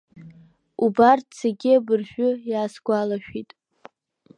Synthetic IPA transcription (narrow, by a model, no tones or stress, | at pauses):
ubartʰseɡʲɪabɨrʒᶣʊjaːsɡʷalaʃᶣitʼ